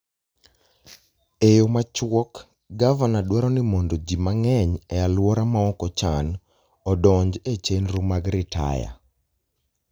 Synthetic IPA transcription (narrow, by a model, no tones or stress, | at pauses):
ejomat͡ʃwɔk | ɡavanadwaɾɔnɪmɔndod͡ʒimaŋɛɲɛalwɔɾamaɔkɔt͡ʃan | ɔdɔɲd͡ʒet͡ʃenɾumaɡɾɪta̰ja̰